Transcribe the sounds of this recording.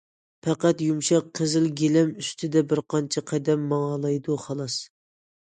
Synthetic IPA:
pʰɛqæt̪jumʃɛqqʰːəzɪlɡʲelɛmyst̪ʰɪd̪ɛbɪɾqʰɑnt͡ʃʰɛqʰɛd̪ɛmːɑŋɑlˠɑjd̪uχɑlˠɑs

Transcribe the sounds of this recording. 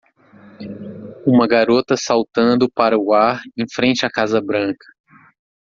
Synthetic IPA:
ũmɐɡaɾot̪ɐsawt̪ɐ̃nd̪ʊpaɾɐuaɾẽj̃fɾẽnt͡ʃɪakazɐbɾɐ̃ŋkɐ̥

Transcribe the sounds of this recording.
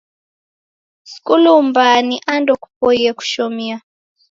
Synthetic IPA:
skulumbaniʔandɔku̥pɔjɛku̥ʃɔmia

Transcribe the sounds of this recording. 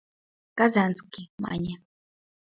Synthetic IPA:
kazanskɪma̰ɲa

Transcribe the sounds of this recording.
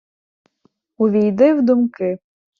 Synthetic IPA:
ʊʋʲijd̪ɪwd̪ʊmkɪ

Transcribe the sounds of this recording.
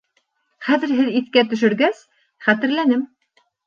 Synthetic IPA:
χæðɘ̆ɾɦɘðiθkæt̪ɵ̆ʃ̬ɵ̆ɾɡæs | χæt̪ɘ̆ɾlænɘm

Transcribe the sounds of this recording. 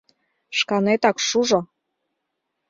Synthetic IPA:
ʃkɑnet̪ɑkʃuʒo

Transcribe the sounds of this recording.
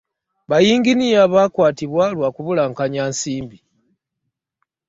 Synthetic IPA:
βajiːŋɡinijaβaːkwaːtiβwalwakuβulaːŋkaɲaːnsiːmbi

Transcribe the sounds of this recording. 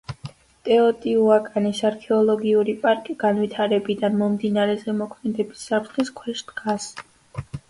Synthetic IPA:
t̪ʼɛɔt̪ʼiuakʼanisaɾkʰɛɔlˠɔɡiuɾipʼaɾkʼiɡ̥anvit̪ʰaɾɛbid̪anmɔmd̪inaɾɛzɛmɔkʰmɛd̪ɛbisːap̚ʰt̪ʰχɛskʰwɛʃd̪ɡas

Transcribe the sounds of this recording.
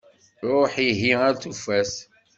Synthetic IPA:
ɾˤoħiɦiaɾθufæs

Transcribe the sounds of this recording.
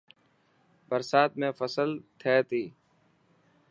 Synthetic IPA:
bəɾsaːt̪̚mẽːfəsəlt̪ʰeːt̪ʰiː

